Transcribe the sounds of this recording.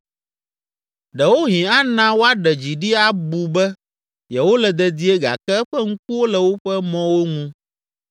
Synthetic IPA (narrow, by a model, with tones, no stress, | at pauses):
ɖɛ˨wo˦ɦĩ˨a˦nã˦wo˦a˦ɖɛ˨d͡ʑi˨ɖi˦a˦bu˨bɛ˦ | jɛ˨wo˦lɛ˨d̪ɛ˨d̪i˦e˦ɡa̰˨kɛ˦ɸɛ˦ŋũ˦k̚u˦wo˦lɛ˨wo˦ɸɛ˦mɔ̃˦wo˦ŋũ˦